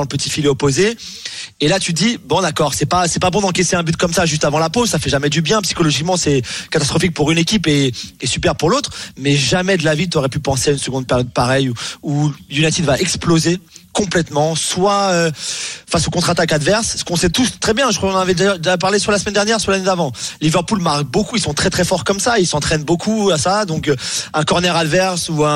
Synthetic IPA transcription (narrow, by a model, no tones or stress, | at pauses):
ɑ̃ləpət̪ifileɔpoze | elat̪yd̪ibɔ̃d̪akɔʁsɛpasɛpabɔ̃d̪ɑ̃kɛseɛ̃byt̪̚kɔmsaʒyst̪avɑ̃laposafɛʒamɛd̪ybjɛ̃psi̥kɔlɔʒikmɑ̃sɛkat̪ast̪χɔfik̚puʁynekʲipeːsypɛʁpuʁlot̪χmɛʒamɛd̪əlavit̪yɔʁɛpypɑ̃seaynsəɡɔ̃d̪̚pɛʁjɔd̪̚paʁɛjuujunat̪id̪vaʔɛksplozekɔ̃plɛt̪mɑ̃swaøfasokɔ̃t̪χat̪akad̪vɛʁsːə̥kɔ̃sɛt̪ust̪χɛbjɛ̃ʒəkwakɔ̃nɑnavɛd̪ajœʁd̪ap̬aʁles̬walasmɛnd̪ɛʁnjɛʁsʁlaned̪avɑ̃livɛʁpulmaʁk̚bokuilsɔ̃t̪χɛt̪χɛfɔʁkɔmsailsɑ̃t̪χɛnbokʰuasad̪ɔ̃køɛ̃kɔʁnɛʁad̪vɛʁsuɛ̃